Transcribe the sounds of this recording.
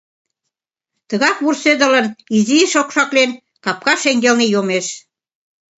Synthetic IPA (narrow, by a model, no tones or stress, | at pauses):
t̪ə̆ɣɑkβursød̪ə̆ləniziʃokʃɑklen | kɑp̚kɑʃeŋɡelnejomeʃ